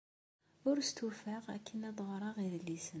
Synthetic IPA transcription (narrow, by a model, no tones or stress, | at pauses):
ʊɾst̪ufaʁæ̰kʰːənæðˤʁɾˤɑʁiðlːisən